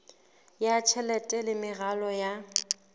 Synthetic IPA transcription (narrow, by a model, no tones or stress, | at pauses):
jat͡ʃʰɛlɛtʼɛlɪmɪɣalɔja